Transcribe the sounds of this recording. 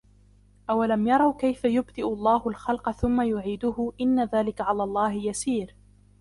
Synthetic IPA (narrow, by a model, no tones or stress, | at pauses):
ʔawalamjɑɾˤɑwkajfajʊbd̪ɪʔʊlˤːɑːhʊlxɑlqɑθʊmːajʊʕiːd̪ʊhʊʔɪnːaðaːlɪkaʕalaːlˤːɑːɦɪjasiːɾ